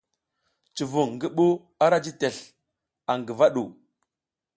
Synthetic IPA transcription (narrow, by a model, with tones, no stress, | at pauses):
t͡ʃi˨vu˨ŋɡə˦ɓu˦ | a˦ɾa˦d͡ʒi˦te˨ɬ | a˨ŋɡə˨va˦ɗu˨